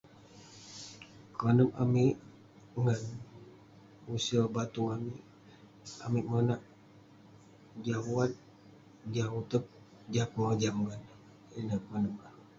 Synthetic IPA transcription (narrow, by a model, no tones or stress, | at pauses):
kanəma̰miʔ | ŋan | usəbat̪uŋamiʔ | a̰miʔmənaʔ | d͡ʒauat̪̚ | d͡ʒaut̪ək̚ | d͡ʒakad͡ʒamɡan | inakanəma